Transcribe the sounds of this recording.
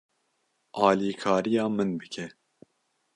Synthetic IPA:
ʔɑːliːkʰɑːɾijɑːmɨnbɨkʰɛ

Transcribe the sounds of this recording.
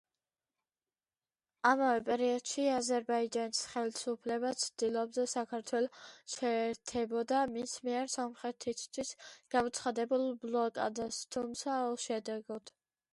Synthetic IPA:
amavɛpʼɛɾiɔd̪̥ʃiazɛɾbaid͡ʒanisχɛlisupʰlɛbat̪sʰd̪̥ilˠɔbd̪ɛsakʰaɾt̪ʰwɛlˠɔʃɛːɾt̪ʰɛbɔd̪amismiɛɾsɔmχɾɛt̪ʰist̪ʰwisɡ̥amɔt̪sʰχad̪ɛbulˠblˠɔkʼa̰d̪ast̪ʰumt̪sʰauʃɛd̪ɛɡɔd̪̥

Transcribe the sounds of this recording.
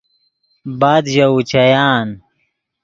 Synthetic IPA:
baːd̪ʑɐut͡ɕɐjaːn

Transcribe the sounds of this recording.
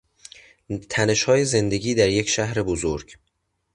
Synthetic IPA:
t̪ʰæne̞ʃhɒːje̞ze̞nd̪e̞ɡiːd̪æɾje̞cʃæhɾe̞bozoɾɟ

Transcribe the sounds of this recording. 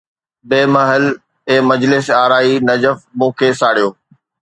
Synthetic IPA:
beːmɐɦəl | ẽːmɐd͡ʑlɪsaːɾaːinɐd͡ʑəfmũːkʰesaːɽijoː

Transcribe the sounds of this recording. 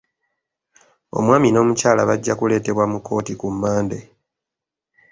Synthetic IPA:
o̞̰mwaːmino̞ːmucaːla̰βaɟːakule̞ːte̞βwamukːo̞ːtikumːaːnde̞

